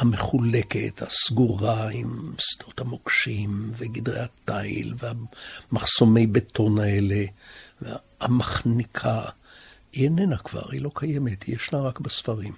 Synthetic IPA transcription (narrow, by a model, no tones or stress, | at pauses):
hameχule̞kḛthasɡuʁaimst̪ot̪hamokʃimveɡid̪ʁejat̪aḭlveamaχso̞me̞jbetʰo̞naeleve | amaχnikʰa | ienenakv̥a̰ʁḭlo̞kʰajemet̪jeʃnaʁakbesfaʁim